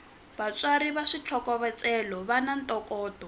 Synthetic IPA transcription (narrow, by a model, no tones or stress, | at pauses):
bat͡sʼwaɾiβaʂit͡ɬʰɔkɔβɛt͡sʼɛlɔβanantʼɔkɔːdɔ